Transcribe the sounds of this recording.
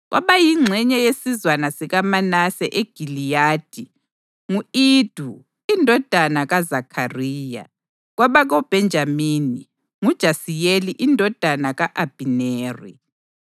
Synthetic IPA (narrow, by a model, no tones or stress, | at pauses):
ɣwa̰βajiŋ͡ǀʱɛɲɛjesizwanasiɣamanasɛʔeɡ̥ʱilijaːd̥ʱi | ŋuiːd̥ʱu | indʱɔd̥ʱanaɣazakʰariːja̰ | ɣwaβaɣɔb̥ʱɛnd͡ʒʱamiːni | ŋud̥ʒ̥ʱasijeliʔindʱɔd̥ʱanaɣaʔab̥ʱineːrḭ